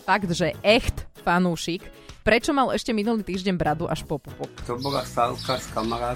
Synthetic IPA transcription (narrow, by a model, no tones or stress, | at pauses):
faɡd̪ʒɛʔɛxt̪fanuːʃikpɾɛt͡ʃɔmalɛʃcɛminuliːt̪iːʒɟɛɲbɾad̪uʔaʃpɔpupɔkt̪ɔbɔla̰salkaskamaɾaː